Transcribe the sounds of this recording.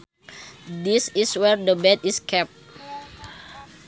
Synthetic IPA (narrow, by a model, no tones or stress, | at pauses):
disiswɛrdəbɛt̪iskɛp̚